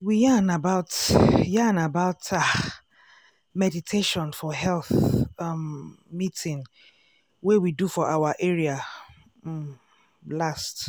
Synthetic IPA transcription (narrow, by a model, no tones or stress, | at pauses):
wijanabaʊtjanabaʊta | mɛditʰeʃɔ̃nfɔɦɛlθ | mitɪ̃ŋ | wewidufɔʔawaʔɛɹia | last